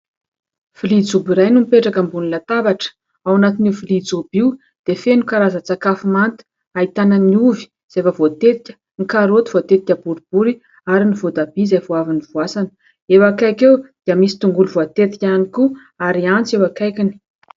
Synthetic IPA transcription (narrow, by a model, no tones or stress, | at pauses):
v̥ilid͡zubiɾajnumipeʈ͡ʂakəmbunilat̪abaʈ͡ʂə̥ | awanat̪inifilid͡zubiu | d̪̥efenukaɾazət͡sakafimant̪i̥ | ait̪anəniuvi̥ | z̥efəvot̪et̪i̥kʲə̥ | ŋikaɾot̪i̥v̥oat̪et̪ikʲəbuɾib̥uɾi | aɾinivod̪abizajvoaviniv̥wasanə̥ | ewakajkewd̪̥iəmisi̥t̪uŋɡulvoat̪et̪i̥kʲaniku | aɾiant͡sewakajkini̥